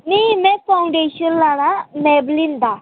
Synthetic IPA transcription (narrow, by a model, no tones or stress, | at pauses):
nimɛ̃faũɳɖeːʃonlaːɽ̃amɛblĩnd̪a